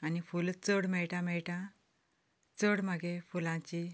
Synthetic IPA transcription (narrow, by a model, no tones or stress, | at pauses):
anifult͡səɽmɛɭʈãmɛɭʈã | t͡səɽməɡefulãt͡ɕi